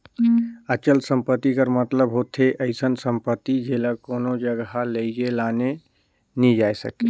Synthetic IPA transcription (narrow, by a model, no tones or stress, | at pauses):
ət͡ʃəlsəmpət̪ːikəɾmət̪ləbɦot̪ʰeʔəɪsənsəmpət̪ːid͡ʒelakonod͡ʒəɡɦaləjd͡ʒelane | nid͡ʒajsə̰ke